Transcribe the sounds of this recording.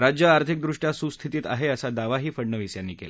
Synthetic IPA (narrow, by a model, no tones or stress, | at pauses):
ɾad͡ʑjəaɾt̪ʰik̚d̪ɾuʂʈjasust̪ʰit̪iːt̪a̰ɦeəsad̪aʋaɦiːfəɽɳəʋisjanːiːkela